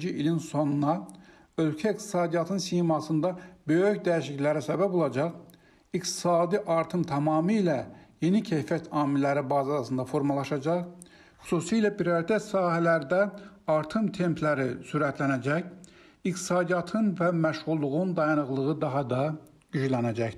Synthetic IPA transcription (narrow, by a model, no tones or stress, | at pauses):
d͡ʒiʔilinso̞nunɑ | ø̞lcʰæik̚t̪ʰi̥sɑːd̪ijɑt̪ʰɯnsimɑsɯnd̪ɑbø̞jøçd̪æiʃliclæɾisæbæbo̞lˠɑd͡ʒɑʁ | ikt̪ʰi̥sɑːd̪iʔɑɾt̪ʰɯmt̪ʰɑmɑːmɯːlæje̞nicʰejfjæt̪ʰɑːmilːæɾibɑːzɑsɯnd̪ɑfo̞ɾmɑlˠɑʃɑd͡ʒɑχ | χu̥suːsiːlæpʰiɾoɾit̪ʰæt̪sɑːɦælæɾd̪æɑɾt̪ʰɯmt̪ʰe̞mpʰlæɾisuɾæt̪ʰlænæd͡ʒæç | ikt̪ʰi̥sɑːd̪ijɑt̪ʰɯnvæmæʃʁulˠːuʁund̪ɑjɑnɯɣlˠɯʁɯd̪ɑɦɑd̪ɑ | ɟ̥yd͡ʒlænæd͡ʒæç̪